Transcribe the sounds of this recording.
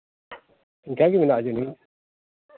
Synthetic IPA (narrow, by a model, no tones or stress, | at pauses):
iŋkaɡiminaʔd͡ʒuni